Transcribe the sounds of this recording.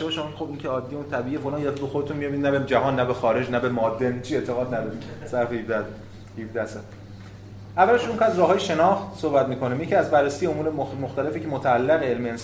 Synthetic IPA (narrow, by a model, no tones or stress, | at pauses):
eɒːʃæmixobiŋcʰeɒːd̪ːijunt̪ʰæbiːiːjefolɑːnjeefbexod̪et̪ʰunmijɒbid̪næbed͡ʒæɦɒːnːæbexɒːɾe̞d͡ʒnæbemɒːd̪ːent͡ʃʰie̞t̪ʰe̞ɣɒːd̪næd̪ɒɾimsæɾfeifd̪æ | hifd̪æhsæ | ʔævːæleʃouŋkʰæzɾɒːhɦɒːjeʃe̞nɒːxt̪sohbæt̪miːkʰo̞niːmjecʰiæzbærːesijeomuːɾemoxt̪æle̞ficʰemot̪ʰæːlːæɣeelmeens